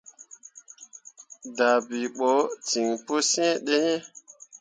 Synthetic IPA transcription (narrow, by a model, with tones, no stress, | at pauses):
da˨bi˨ɓɔ˨˦ti˨ŋpo˦sẽ˦ɗe˦ɲe˦